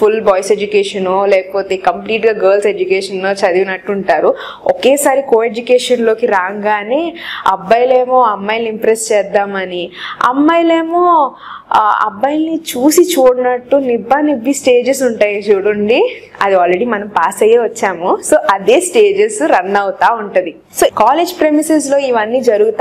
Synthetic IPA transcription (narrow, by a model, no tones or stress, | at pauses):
fʰulbɔːjsed͡ʒukeːʂɐnoːlɛːkɐpoːt̪e̞ːkɐmpliːʈɡaːɡɐːɾlsed͡ʒukeːʂɐnːoːt͡ʃɐd̪iʋnɐʈːuɳʈaːɾu | ɔkeːsaːɾikoːed͡ʒukeːʂɐnlo̞ːkiɾaːŋɡaːneːɐ̰bːɐjle̞ːmoːɐmːɐjlimpɾest͡ʃɛːd̪ːaːmɐniɐ̰mːɐjleːmoː | ɐ̰bːɐjlnit͡ʃuːsit͡ʃuːɽnɐʈːunibːaːnibːisʈe̞ːd͡ʒes̬uɳʈaːjɐt͡ʃuːɽɐɳɖi | ɐd̪iaːlɾeɽiːmɐnɐmpaːsɐjeːʋɐt͡ʃːaːmuso̞ːʔɐd̪eːsʈeːd͡ʒesɾɐnːɐwt̪aːuɳʈɐd̪i | soːkaːleːd͡ʒpɾemises̬lo̞ːiʋɐnːiːd͡ʒɐɾuɡut̪a